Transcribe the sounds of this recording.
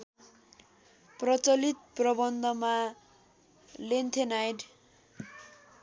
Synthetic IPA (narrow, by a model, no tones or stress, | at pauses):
prʌt͡sʌlit̪̚prʌbʌnd̪ʱʌma | lent̪ʰenajɖ